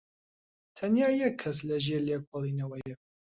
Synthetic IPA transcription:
t̪ʰɐnjaːjɛkʰːɐs̬lɐʒeːleːkʰolˠiːnɐwɛjɛ

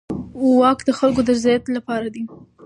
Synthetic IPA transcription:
wɑkd̪əxalkod̪əɾɪzɑjat̪lapɑɾad̪i

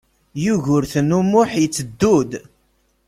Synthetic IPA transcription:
juʝʊɾθnumʊħjət͡sːəd̪ːud̪

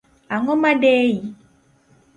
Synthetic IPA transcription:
aŋɔ̃mãɖɛji

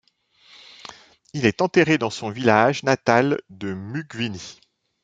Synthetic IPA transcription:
ilɛt̪ɑ̃t̪eʁed̪ɑ̃sɔ̃vilaʒnat̪ald̪əmyɡvini

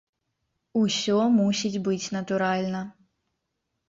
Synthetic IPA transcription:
usʲɔmusʲid͡zʲbɨt͡sʲnɐt̪uɾalʲnɐ

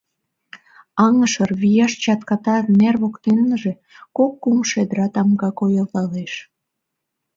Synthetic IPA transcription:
ɑŋəʃərβijɑʃt͡ɕɑt̪kɑt̪ɑt̪nerβokt̪enːəʒĕ | kokːumʃed̪əɾɑt̪ɑmɡɑkojəlt̪ɑleʃ

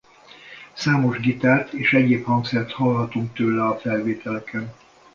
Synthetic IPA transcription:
saːmo̞ʒɡit̪aːt̪eːʃɛɟeːphɒŋksɛrt̪hɒlɦɒt̪uŋk̚t̪øːlɛɒfɛlveːt̪ɛlɛkɛn

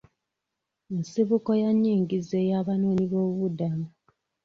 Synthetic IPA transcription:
ensiβuko̞jaɲːiːŋɡizejaːβanoːniβo̞ːuβudamu

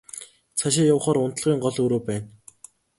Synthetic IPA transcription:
t͡sʰaʃ̬ɪjawχɔːɾʊn̥t̪̆ɮʁiːŋɢɔɮɵɾoːpæːn

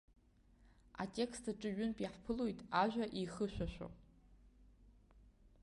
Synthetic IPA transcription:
a̰tʼe̞kstʰaʈ͡ʂʼɨɥʊnpʼiħpʰɨlojtʼaʒʷᶣaʔiχɨʃᶣʷaʃʷᶣo̰

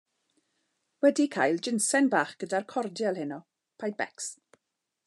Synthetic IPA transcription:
wɛdikʰajlˠd͡ʒɪnsɛnbaːχɡ̥ədarkʰɔrdjɛlˠhɪnɔ | pʰajd̚bɛ̰ks

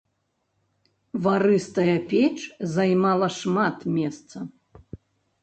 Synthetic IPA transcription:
vaɾɨst̪ɐjɐpʲet͡ʂzajmalˠɐʂmat̪mʲɛst̪sɐ

